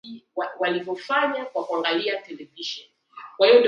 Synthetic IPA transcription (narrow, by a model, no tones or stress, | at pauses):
iawalivjɔfaɲakwakuaŋɡaliatɛlɛviʃɔn | kwahiɔndi